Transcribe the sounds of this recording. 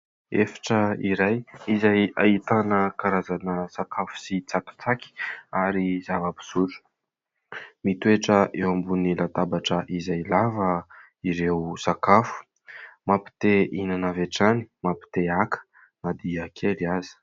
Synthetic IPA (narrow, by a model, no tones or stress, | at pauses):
efḁʈ͡ʂəiɾajizaja̰it̪anəkaɾazanəsakafu̥sit͡saki̥t͡saki̥aɾizavəbi̥suɾu̥ | mit̪ueʈ͡ʂəʔewambunilat̪abaʈ͡ʂəʔizajlavə | iɾewsakafu̥ | mapi̥t̪einanaveʈ͡ʂani̥mapi̥t̪eakə̥ | nad̪iəkʰeliazi̥